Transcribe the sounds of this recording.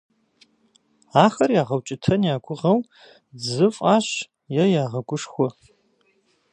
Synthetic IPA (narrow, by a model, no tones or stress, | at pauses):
aːxɐrjaːʁɐwt͡ʃʼɪtʰɐnjaːɡʷʊʁɐw | zɨfʼaːɕ | jɛjaːʁɐɡʷʊʂxʷɔ